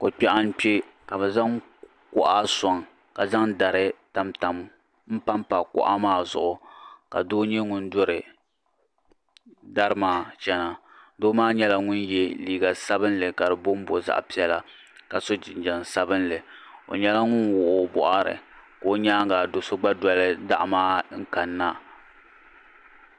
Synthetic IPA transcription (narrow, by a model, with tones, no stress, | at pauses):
ko˨k͡pɛ˦ʔa˦n̩˦k͡pe˦ka˨bɛ˨za˦ŋ | kʊ˦ʔa˦sɔ˨ŋ | ka˨za˦ŋda˨ɾɨ˦ta˨mta˨m | m̩˦pa˦mpa˨kʊ̰˦ʔa˦maː˦˨zʊ̰˨ʔʊ˨ka̰˨doː˦ɲɛ˦ŋʊ˦n̩˦do˦ɾɨ˨ | da˦ɾɨ˦maː˨t͡ʃɛ˦na˨ | doː˦maː˦ɲɛ˦la˦ŋʊ˦njɛ˦liː˦ɡa˨sa˦bɨ˦nlɨ˨ka˨dɨ˨bʊ˦m˦bo˨za̰˦˨ʔpi˦ɛ˦la˦ | ka˨so˦d͡ʒɪ˨nd͡ʒɛ˨n˨sa˦bɨ˦n˦lɨ˨o̰˨ɲɛ˦la˦ŋʊ˦nwʊ˨ʔo˦bʊ̰˨ʔa˦ɾɨ̰˨koː˨˦ɲaː˦ɡa˨do˨so˦ɡ͡ba˦dɔ˦lɨ˦da̰˦ʔmaː˦ŋ̩˦ka˨nːa˦